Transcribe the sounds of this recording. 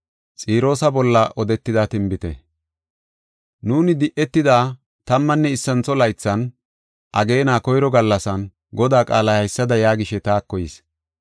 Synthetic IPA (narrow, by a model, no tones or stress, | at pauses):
t͡sʼiːɾo̞ːsɐbɔlːɐʔɔd̪ɛt̪ːɪd̪ɐt̪ɪmbɪt̪ɛ̰ | nuːnɪd̪ɪʔɛt̪ːɪd̪aː | t̪ɐmːɐnːɛɪsːɐnt͡sɔlɐjt͡sːɐn | ʔɐɡe̞ːnaːkɔjɾɔɡɐlːɐsɐn | ɡɔd̪aːkʼaːlɐhɐjsːɐd̪ɐjaːɡɪʃɛt̪aːkːɔjɪs